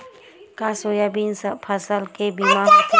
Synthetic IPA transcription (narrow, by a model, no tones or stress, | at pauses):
kasojabinspʰəsəlkebima